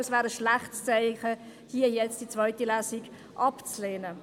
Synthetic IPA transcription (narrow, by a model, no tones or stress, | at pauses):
əsvæːɾəʃlaχtst͡saɪχə | hiːəjɛt͡std̥it͡svœʏtilæːsiɡ | ʔɑpt͡sleːnə